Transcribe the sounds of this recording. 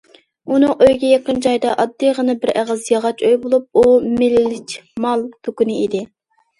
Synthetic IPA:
unɨŋʔøjɡʲɛjɑqənd͡ʒɑjd̪ɑʔɑd̪ːijʁənɨbɪɾæʁɑzjɑʁɑt͡ʃʰøjbolˠup̚umɪlːɪt͡ʃmɑlˠt̪ʰukunɨid̪ɪ

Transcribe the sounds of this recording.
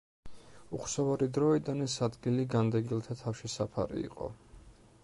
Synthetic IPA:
uχsavaɾid̪ɾɔid̪anɛsad̪ɡiliɡand̪ɛɡilˠt̪ʰat̪ʰafʃisapʰa̰ɾḭḭqʼɔ̰

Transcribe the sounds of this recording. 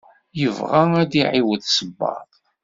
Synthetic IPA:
jəvʁææd̪iʕiwəðsəbːɑ̰ðˤ

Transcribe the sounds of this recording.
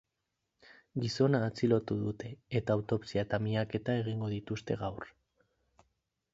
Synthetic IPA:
ɡiso̞naːt͡silo̞t̪uðut̪e̞ːt̪aːwt̪o̞psiat̪amiake̞t̪ae̞ɣ̞iŋɡo̞ð̞it̪ust̪e̞̰ɣawr

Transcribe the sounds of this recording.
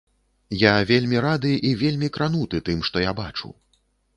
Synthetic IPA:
javʲelʲmʲiɾad̪ɨʔivʲelʲmʲikɾanut̪ɨt̪ɨmʂt̪ɔjabat͡ʂṵ

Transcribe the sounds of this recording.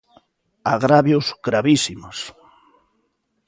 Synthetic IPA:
aɣɾaβjosɣɾaβisimos

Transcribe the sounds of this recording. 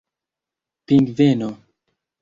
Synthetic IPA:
piŋɡveno

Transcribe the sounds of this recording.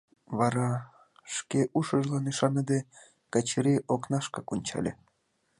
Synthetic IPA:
βɑɾɑ | ʃkʲeʔuʃəʒlɑniʃɑnəd̪e | kɑt͡ɕɾiʔoknɑʃkɑkunʲt͡ɕɑ̰lʲḛ

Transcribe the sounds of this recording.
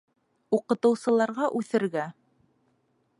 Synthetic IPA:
uqɤ̆t̪ɤ̆wsɤ̆lˠɑɾʁɑʔʉθɘ̆ɾɡæ

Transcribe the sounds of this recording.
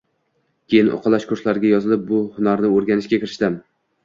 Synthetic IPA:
kʲʰejɪnʔo̰qʰɑlˠaʃkʰʊɾslaɾɪɡʲajɒzɪlɪp̚bʊhʊnaɾnɪoɾɡʲanɪʃkʲakʲɪɾɪʃt̪ɪm

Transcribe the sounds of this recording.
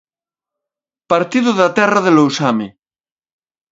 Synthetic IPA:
paɾt̪iðʊðat̪ɛraðelowsamɪ

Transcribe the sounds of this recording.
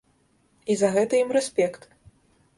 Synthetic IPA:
izɐɣɛt̪ɐjimɾɛsʲpʲɛkt̪

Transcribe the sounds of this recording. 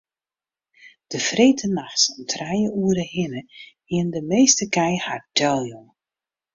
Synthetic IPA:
d̥əfreːtʰənaxsɔmtʰrɛjəuəɾəhɪnəhɪəndəmeːstəkɛjhardʰœlˠjɔŋ

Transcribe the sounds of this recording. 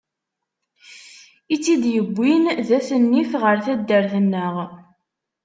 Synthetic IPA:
it͡sːid̪jəbʷːinðæθənːifʁəɾθæd̪ːəɾθənːəʁ

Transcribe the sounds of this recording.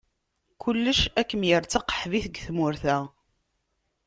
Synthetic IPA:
kʊlːəʃækːəmjəɾt͡sːəqːə̥ħviθəɡθmʊɾθæ

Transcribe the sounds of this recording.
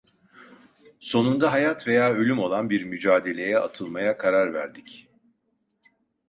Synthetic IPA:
so̞nund̪aɦajat̪ve̞jaːølʲymo̞lˠanbiɾmyd͡ʒaːd̪e̞lʲe̞jɛʔa̰t̪ʰɯlˠmajakʰaɾaɾvæ̰ɾd̪ic

